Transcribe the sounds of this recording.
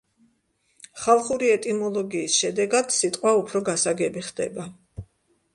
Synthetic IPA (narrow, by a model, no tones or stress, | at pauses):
χalˠχuɾiɛt̪ʼimɔlˠɔɡiːsʃɛd̪ɛɡad̪̥sit̪ʼqʼwaupʰɾɔɡasaɡɛbiχd̪̥ɛ̰ba